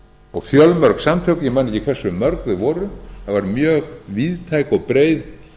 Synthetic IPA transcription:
ɔɣfjœlmœɾksamt̪ʰœwkʏɪmanːejcikʰvɛrsʏmœɾkðʏvɔːɾʏθaðvaɾmjœːɣviːðt̪ʰajkɔɣpɾeːjð

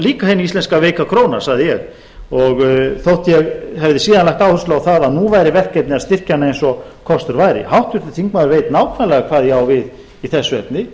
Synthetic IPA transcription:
liːkahejniist̪ɛnskaveːjkakʰɾoːwnaɾ̥saɣðɪjɛɣ | ɔɣθowht̪jɛɣɦɛvðɪsiːðanlajht̪aːwθʏ̥ɾslaawθaðaðnuvajɾɪvɛr̥kɛt̪nɪaðst̪ɪr̥canaejnsɔkʰɔst̪ʏɾvajɾɪ̰hawht̪vʏɾ̥t̪ɪθiŋkmaðʏɾveːjt̪naːwkʰvanalɛɣakʰv̥aːðjɛɣawvɪð | iθɛsːʏɛpnɪ

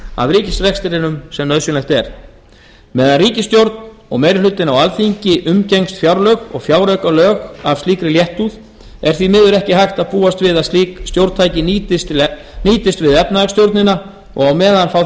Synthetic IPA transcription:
a̰vriːcɪsrɛxst̪ɪɾɪnʏmsɛmnœðsjʏnɛxt̪ɛɾ̥ | mɛːðanriːcɪst̪jowɾt̪n | ɔ̰ɣmejɾɪlʏt̪ːɪnawalθiɲcɪʔʏmcejŋst̪fjawɾlœɣɔ̰ɣfjaːwɾœɥkalœːɣav̥st̪liːkɾɪljɛht̪uð | ɛɾ̥θvimɪðʏɾɛhcɪhajxt̪aðpuːast̪vɪðaist̪jowɾt̪t̪ʰaːjcɪnt̪ɪst̪ | niːt̪ɪst̪vɪðɛp̚nast̪jowɾt̪nɪna | ɔ̰ɣawmɛːðanfaw

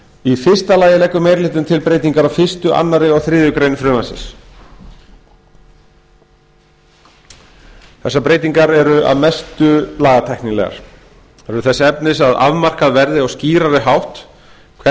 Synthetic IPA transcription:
ifɪ̥st̪alaːjɪlɛkːʏmɛjɾlɪːht̪ʏmt̪ʰɪlpɾeːjt̪iŋkaɾavfɪ̥st̪ʏʔa̰nːaɾɪɔɣθɾɪːðʏkɾejnfɾʏːmansɪ̰s | θɛsːapɾeːjt̪iŋkaɾɛɾʏa̰ðmɛst̪ʏlaːɣat̪ʰajhkninlɛ̰ɣa̰ɾ̥ | ɛɾʏθɛsːaɛpnɪsaða̰vmar̥kaðvɛɾðɪɔsciːɾaɾɪɦawht̪ | kʰɛ

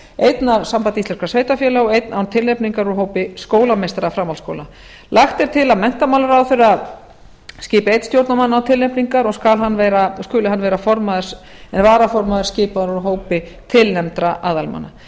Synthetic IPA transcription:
ejt̪naɾsampant̪ist̪ɛɾ̥kḁsveːjt̪afjɛːlawejt̪nawnt̪ʰɪlepniŋkaɾuɾɦoːwpɪskoːwlamejst̪aɾafɾamalsko̰wla | laxt̪ɛɾ̥t̪ʰɪlaðmɛn̥t̪amaːwlʏɾawθʏɾɪað | scɪːpɪejt̪n̥st̪jowɾt̪namanːawt̪ʰɪlepniŋkaɾɔɣskalɦanːveːjɾaɔskʏːlɪɦanːvɛːɾafɔɾmaðɪɾ̥s | ɛnvaːɾafɔɾmaðɪɾ̥scɪːpaðɾuɾɦoːwpɪ | t̪ʰɪlnɛmt̪ɾaʔaːðalma̰nːa

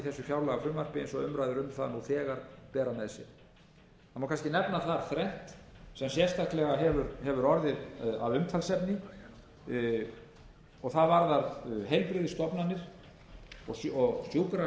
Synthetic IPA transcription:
iθɛsːʏfjawlaɣafʏmːar̥pɪḛnsɔʏmɾajðʏɾʏmθaðnuθɛːɣaɾpɛːɾanɛsɪ̰ | anmawkʰanscɪnɛpnaθaɾ̥θɾɛn̥t̪sɛmsjɛr̥st̪ʰak̪lɛɣaɦɛvʏɾhɛvʏɾɔɾðɪða̰vʏmt̪ʰalsɛpnɪ | ɔɣθaðvaɾðaɾɦejlpɾɪðɪst̪ɔpnanːɪɾ̥ | ɔsɔɣsjuwkɾa

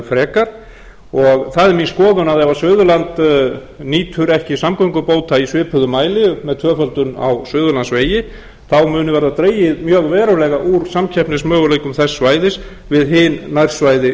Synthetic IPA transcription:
fɾɛːkaɾ̥ | ɔɣθaðɛɾminskɔːðʏnaðɛvasvʏːðʏlant̪ | niːt̪ʰʏɾɛhcɪsamkɔjŋkʏpoːwt̪aisvɪːpʰʏðʏmaːjlɪmɛðt̪ʰœːfœlt̪ʏna̰wsvʏːðʏlansveːjɪ | θawmʏːnʏvɛɾðat̪ɾeːjɪðmjœːɣvɛːɾʏlɛɣaʔuɾ̥samcʰɛhpnɪsmœːɣʏlejkʏmθɛsːvaːjðɪs | vɪðɦɪnːajɾ̥svajðɪ

